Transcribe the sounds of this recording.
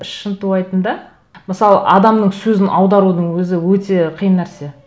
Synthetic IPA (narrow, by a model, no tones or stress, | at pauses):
ɪʃənt̪uɑjt̪ənd̪ɑ | məsɑlˠəʔɑd̪ɑmnəɴsɵzɪnʔɑwd̪ɑɾud̪əɴwɵzɪwɵt̪e̞qʰijənːæɾse̞